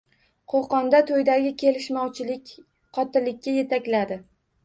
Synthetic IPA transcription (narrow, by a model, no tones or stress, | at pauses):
qʰoqɒnd̪at̪ʰojd̪aɡʲɪkʲʰe̞lɪʃmɒwt͡ʃʰɪlɪkʲ | qʰɒt̪ɪlɪk̚ʲːaje̞t̪ʰakʲlad̪ɪ